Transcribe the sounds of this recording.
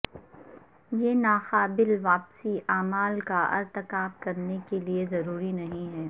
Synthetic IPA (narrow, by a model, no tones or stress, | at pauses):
jeːnaːxaːbɪlʋaːpsiʔaːmaːlkaɐ̰ɾt̪ɪkaːbkɐɾnekeliezɐɾuːɾinɐɦĩɦɛː